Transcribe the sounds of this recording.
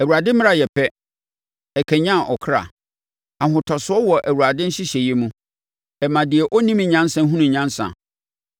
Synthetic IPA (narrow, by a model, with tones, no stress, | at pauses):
æ˨wu˨a˨dɪ̃˦mɪ̃˦a˨jɛ˨pʰɛ˦ | ɛ˨kʰæ˨ɲã˦˨ʔɔ˨kʰɾa̰˨ | ã˨ɦʊ̃˨tʰɔ˨sʊ˨˦ɔ˦wɔ˨ʔæ˨wu˨ɾa˨dɪ̃˦n̩˦ɕɪ˦ɕɛ˨jɛ˦mũ˦ | ɛ˨mã˨dɪ˨ɛ˨ʔɔ˦nĩ˦m˨ɲã˦n˦sã˨˦ɦũ˦nũ˨ɲã˦n˦sã̰˨